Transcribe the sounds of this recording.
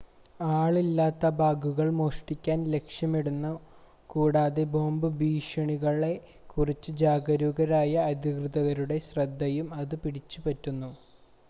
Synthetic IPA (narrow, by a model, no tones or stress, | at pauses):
aːɭilːaːt̪ːɐbʱaːɡuɣɐɭmoːʂʈikʲːaːnle̞kʂjɐmeɽunːɐ | kuːɽaːðebʱo̞ːmbɨbiːʂɐɳiɣɐɭe | kurit͡ɕːɨd͡ʑaːɡɐɾuːɣɐɾaːjɐːd̪ʱikrɨðɐɣɐɾuɽe̞ɕrɐd̪ʱːɐjumɐðɨpiɽit͡ɕːupɐtːunːu